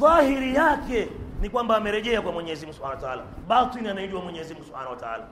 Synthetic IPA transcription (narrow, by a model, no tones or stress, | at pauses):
ðahiɾijakɛnikwambaːmɛɾɛʄɛakwamwɛɲɛzim̩ɡusu̥anaataala̰ɓatinianaiɗiwamwɛɲɛzimɡusu̥ha̰nawataa̰la